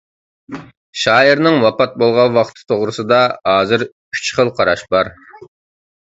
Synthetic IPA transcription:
ʃɑːiɾnɨŋwɑpɑt̪̚bolˠʁɑnwɑχt̪ʰɨ̥t̪ʰoʁɾɨsɨd̪ɑɑːzɨɾʰ | y̥t͡ʃχəlˠqʰɑɾɑʃbɑɾ

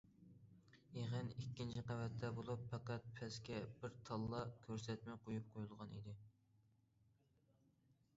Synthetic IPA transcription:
eʁənikʲːint͡ʃʰiqɑvɛt̪ʰːɛbolˠupʰːɑqæt̪̚pʰɛskʲɛb̥ɪɾt̪ʰɑlˠːɑkʲʰøɾsɛt̪mɛqʰojup̚qʰojulˠʁɑnḭd̪ɪ

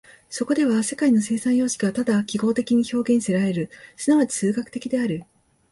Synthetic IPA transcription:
so̞ko̞d̪e̞βase̞kaino̞se̞ːsãɰ̃jo̞ːɕi̥ɡat̪ad̪akʲiɡo̞ːt̪e̞kʲiɲ̟iço̞ːɡẽ̞ɰ̃se̞ɾaɾe̞ɾɯ̟sɨnaβat͡ɕi̥sɨːɡakɯ̟̥e̞kʲid̪e̞aɾɯ̟

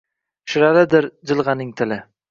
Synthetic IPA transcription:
ʃɪɾalɪd̪ɪɾd͡ʒɪlˠʁɑnɪŋt̪ʰɪlɪ

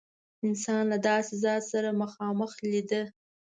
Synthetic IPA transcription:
ɪnsɑnlad̪ɑsezɑsaɾaməxɑməxlid̪ə

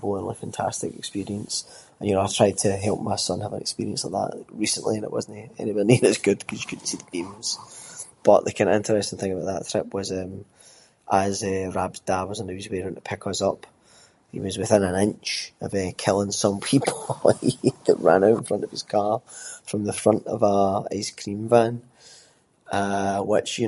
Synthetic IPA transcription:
boə̃nwə̥fãntʰa̰stɪ̰kɪ̰kspiɹiə̃ns | ə̃njənɪtʰɹ̥aɪd̚tʰəɦɛlˠp̚maɪsʌ̃nhavə̃nɪ̰kspḭɹiə̃nsaɪʔðə̰ʔɹisə̃nʔlˠʔˠiə̃nɪ̰ʔwɒ̰zn̩ɪɛ̰nibʌĩɪzɡʉd̥kʰʌzjə̥kʰʉdⁿn̩tsiðəɡẽmz̥b̥ʌʔʔəkʰãɪ̃nɪ̃ntə˞ɛstɪ̃n̩θɪ̃ŋkəbaʊʔðə̰ʔ̪θʰɹ̥ɪpwʌzɛ̃m | ʔəzɛɹabzdawɔzə̃n̩əʉzwiɹə̃nəpʰɪkʰəzʌp | hḭwʌzwɪθɪ̃nə̃nɪ̃nt͡ʃəvɛkʰɪlˠɪ̃ŋsʌ̃mpʰipʰl̩ˠiðəʔɹã̰naʊʔɪ̃nfɹʌ̃nʔəv̥ɪz̥kʰaɹfɹə̃mðəfɹʌ̃nʔə̰vəa̰ɪ̰skʰɹ̥ĩɱvãn | əwɪt͡ʃjə

